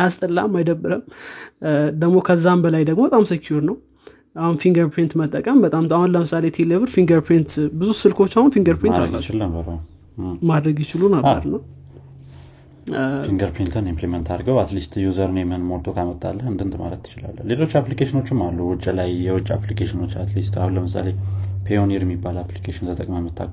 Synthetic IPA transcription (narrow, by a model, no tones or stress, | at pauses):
jast̪ʼɨlːamːajd̪əbːɨɾəm | d̪əɡmo̞kʰəzːambəlajd̪əɡmo̞bət̪ʼamsəkʰjuɾnəw | ahunfiŋɡəɾpʰint̪mət̪ʼːəkʼəmbət̪ʼamahunləmɨsalet̪ʰeleβɨɾfiŋɡəɾpʰɾint̪bɨzusɨlkʰo̞t͡ʃːahunfiŋɡəɾpʰojna̰lat͡ʃt͡ʃːləbəɾəw | mad̪ɾəɡjɪt͡ʃɪlunəbə̰ɾna | fiŋɡəɾpʰint̪ʰənimpliment̪ʰaɾɡəwat̪list̪juzəɾnɛmɨhɨnmolt̪ʰokʰamət̪ʼːalːəhɨnd̪ɨnt̪ma̰lət̪ʰːɨ̥t͡ʃɪla̰lːə̰le̞lo̞t͡ʃːaplikʰeʃɪno̞t͡ʃːɪmːalːuwʊt͡ʃʼːlajːɛwʊt͡ʃʼːa̰plikʰeʃɪno̞t͡ʃːat̪list̪a̰hunləmɨsa̰lepʰejoniɾjɛmːibːalaplikʰeʃɪnt̪ʰət̪ʼə̰kʼməmɨt̪ʰːa̰k